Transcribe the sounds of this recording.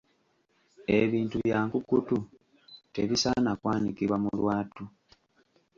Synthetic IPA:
e̞βiːntuβjaːŋkukutu | teβisanakwaːnikiβwamṵlwaːtu

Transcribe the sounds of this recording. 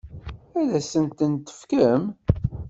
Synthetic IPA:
æðæsənt̪ənt̪ːə̥fkəm

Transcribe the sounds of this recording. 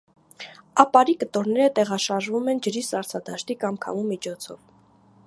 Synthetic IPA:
ɑpɑɾikət̪ɔɾnɛɾət̪ɛʁɑʃɑɾʒvumɛnd͡ʒəɾisɑɾt͡sʰɑd̪ɑʃt̪ikɑmkʰɑ̰mumit͡ʃʰɔt͡sʰɔ̰v

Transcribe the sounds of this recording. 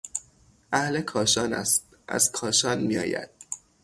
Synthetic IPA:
ʔæhle̞kʰɒːʃɒːnæ̰st̪ | ʔæ̰z̥kʰɒːʃɒːnmijɒ̰ːjæ̰d̪̥̚

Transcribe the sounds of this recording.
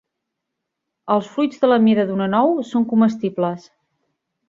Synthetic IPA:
əlˠsflujd͡zðələmiɾəðunənɔwsoŋkuməst̪ibləs

